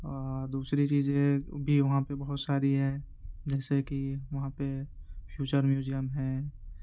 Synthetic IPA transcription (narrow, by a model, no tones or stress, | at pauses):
ɔɔːɾd̪uːsɾit͡ʃiːzẽbʱiʋɐɦãpebɐɦʊt̪saːɾiɦɛ̃ | d͡ʒɛːsekiʋɐɦãpepʰjuːt͡ʃəɾmjuːzijəmɦɛ̃